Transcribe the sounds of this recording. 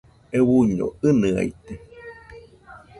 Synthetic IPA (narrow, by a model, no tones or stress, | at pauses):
ewuɲo̰ɨnɨa̰jt̪e